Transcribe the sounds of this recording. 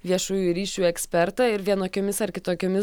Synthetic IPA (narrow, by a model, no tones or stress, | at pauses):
ʋʲiɛʃuːjuːɾʲiːʃʲuːɛksʲpʲɛɾt̪ɐɪɾʋʲiɛnoːkʲoːmʲɪsɐɾkʲɪt̪oːkʲoːmʲɪ